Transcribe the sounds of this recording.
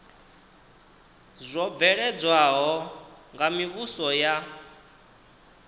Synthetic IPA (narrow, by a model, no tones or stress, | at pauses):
zʷɔb̪vɛɺɛd͡zwaɦɔŋɡamiβusɔja